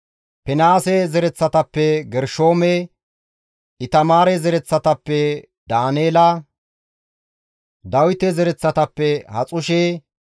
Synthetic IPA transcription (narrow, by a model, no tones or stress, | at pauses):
pɛnaːsɛzɛɾɛt͡sːɐt̪ɐpːɛɡɛɾʃoːme | ɪt̪ɐmaːɾɛzɛɾɛt͡sːɐt̪ɐpːɛ | d̪aːneːla | d̪ɐwɪt̪ːɛzɛɾɛt͡sːɐt̪ɐpːɛhɐt͡sʼʊʃeː